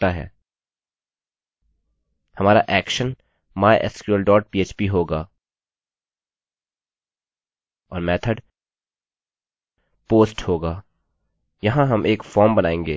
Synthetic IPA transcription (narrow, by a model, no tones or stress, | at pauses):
t̪aɦɛ̰ː | hɐmaːɾaʔɛːkʃən | maːʔɛ̰skjuəlɖɔːʈ̚piːeːt͡ʃpiɦoːɡaː | ɔːɾmɛːt̪ʰəɖ | poːsʈhoːɡaː | jɐɦãɦɐmʔeːkfɔːɾmbɐnaːẽːŋɡeː